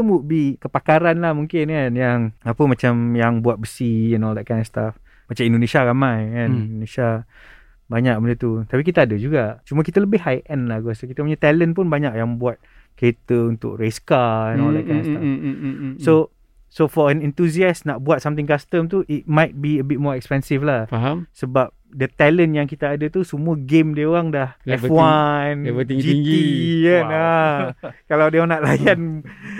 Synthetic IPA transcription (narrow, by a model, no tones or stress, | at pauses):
mubikəpakaɾanlahmuŋkɪnkanjaŋapəmat͡ʃamjaŋbuat̪̚bəsiɛnɔld̪ɛt̪̚kaj̃ndɔst̪af | mat͡ʃamindonesiaɾamajkanionesa | baɲak̚bəndət̪ut̪apik̬it̪əadəd͡ʒuɡaʔt͡ʃuməkit̪ələbɪɦajʔɛnlahɡɔsokit̪əpuɲat̪ɛlənp̬ʊnbaɲakʔjaŋbuat̪̚ | ket̪əunt̪ʊ̰k̚ɾeskanoakaasa | so | sofɔɛnɛ̃nt̪usiasnaʔbuat̪̚samt̪ɪŋkast̪əmt̪uʔit̪̚majt̪̚biəbɪt̪̚mɔɾɛkspɛnsiflahfaɦamsəbap̚dət̪ɛlənjaŋkit̪aadət̪usumũəɡemdiəoɣaŋdahɛwwanəiŋd͡ʒiŋiəa | kaladeaŋnaʔlajan